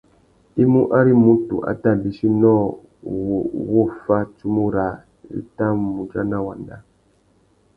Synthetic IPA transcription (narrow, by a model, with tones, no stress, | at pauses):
i˦mu˦ʔa˦ɾi˦mu˦tṵ˨ʔa̰˦ta˦˨bi˨˦ʃi˦nɔ˦˨ | wɔ˦fa˦t͡ʃu˦mu˦ɾa˨ | ɾḭ˦ta˦mu˨d͡ʒa˦na˦wa̰˨nda˦